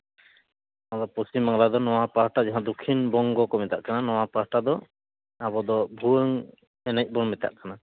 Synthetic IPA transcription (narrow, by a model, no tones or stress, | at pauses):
ad̪ɔpɔsimːaŋlad̪ɔnɔwapaɦʈad͡ʒaɦãd̪ɔkʰːinbɔŋɡɔkɔmɛt̪a̰ʔkananɔwapaɦʈad̪ɔ | abɔd̪ɔbʱuəŋ | ɛnac̚ˀbɔnmɛt̪a̰ʔkana